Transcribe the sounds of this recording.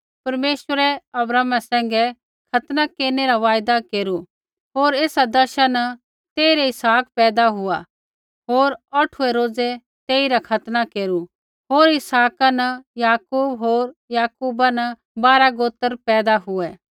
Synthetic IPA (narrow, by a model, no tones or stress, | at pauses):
pɐɾmeːʃwəɾɛɐbɾaːmasɛ̃ːŋ̆ɡɛ | kʰɐt̪nakeːɾneɾaʋaːjd̪akeːɾu | ɦoːɾeːsad̪ɐʃanɐ | t̪eːiɾɛɪsaːkpɛːd̪aɦʊa | ɦoːɾɐʈʰuɛɾoːd͡zɛ | t̪eːiɾakʰɐt̪nakeːɾu | ɦoːɾɪsaːkanɐjaːkuːbɦoːɾjaːkuːbanɐ | baːɾaɡoːt̪əɾpɛːd̪aɦʊɛ